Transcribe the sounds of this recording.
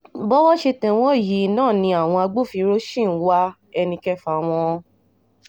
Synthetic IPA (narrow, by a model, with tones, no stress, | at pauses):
bɔ˦wɔ˦ʃe˧tɛ̃˧w̃ɔ̃˦˨ji˨˦nãː˦˨nĩ˧a˦˨w̃ɔ̃˧a˧ɡ͡bo˦˨fi˧ɾo˦ʃĩ˦˨n̩˦wa˦ | ɛ˧nĩ˧kɛ˦fa˨w̃ɔ̃˧